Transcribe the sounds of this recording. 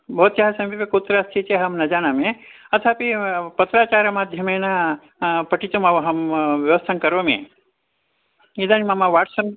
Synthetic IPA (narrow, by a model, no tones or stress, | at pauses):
bʱɐːt̪t͡ʃɐɦasɐmbipikot̪ɾast̪ʰit͡ʃeɦɐmnɐd͡ʒaːñamẽ | ɐt̪ʰapipɐt̪ɾaːt͡ʃaːɾɐmaːd̪ʱjɐmena | pɐʈit̪omaɦɐmʋjɐʋɐst̪ʰankɐɾʋɐmḛ̃ | id̪animamaʋaːʈsɐm